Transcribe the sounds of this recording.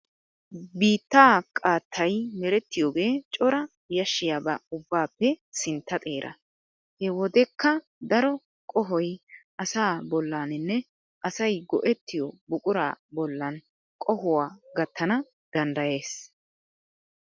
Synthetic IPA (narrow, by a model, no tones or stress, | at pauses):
biːt̪ːaːkʼaːt̪ʰːɐjmɛɾɛt̪ːɪjɔːɡe̞ːt͡ʃʼɔɾɐ | jɐʃːɪjaːbɐʊbːaːpːɛsɪnt̪ːɐt̪ʼe̞ːɾʔɐ̰ | hɛwɔd̪ɛkːɐ | d̪ɐɾɔ | kʼɔɦɔjʔɐsaːbɔlːaːnɪnːɛ | ʔɐsɐjɡɔ̰ʔɛt̪ːɪjɔbʊkʼʊɾa̰ːbɔlːɐn | kʼɔhʊwaːɡɐt̪ːɐnɐ | d̪̥ɐnd̪ɐje̞ːs